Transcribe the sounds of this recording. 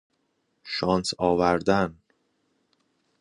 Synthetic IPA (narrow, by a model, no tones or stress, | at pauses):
ʃɒːnsɒːvæɾd̪æn